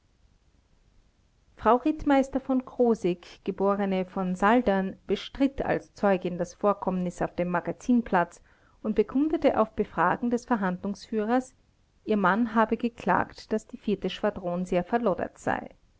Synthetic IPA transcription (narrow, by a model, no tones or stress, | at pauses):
fʁ̥aʊʁɪtmaɪstɐfɔnkʁ̥oːzɪkɡ̥əboːʁənəfɔnzaldanb̥əʃtʁ̥ɪtʰa̰lst͡sɔʏɡɪndasfoːɐkʰɔmənɪsaʊfd̥eːmːaɡat͡siːnpl̥at͡s | ʔʊntb̥əkʰʊndətəʔaʊfb̥əfʁ̥aːɡŋ̩dɛsfɛɐɦandlʊŋsfyːʁɐs | ʔiːɐmanɦaːbəɡəkl̥a̰ːktd̥asd̥iːfiɐtəʃv̥adʁoːnzeːɐfɛɐlɔdɐ̰tz̥a̰ɪ